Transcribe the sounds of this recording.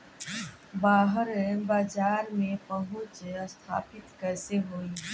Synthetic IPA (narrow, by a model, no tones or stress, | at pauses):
baːɦəɾbaːd͡ʒaːɾmẽpɐɦʊ̃t͡ʃst̪ʰa̰ːpɪt̪kɛːseɦoːi